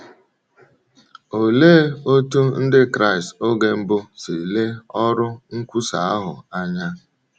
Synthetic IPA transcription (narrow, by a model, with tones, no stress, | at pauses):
o˨le˦o˦tu˦n̩˦dɪ˦kɾa˦ɪ˨sto˦ɡe˦m̩˦bʊ˦si˨le˦ɔ˦ɾʊ˦ŋ̩˦kʷu˦sa˨a˦ɦʊ̰˨a˦ɲa˦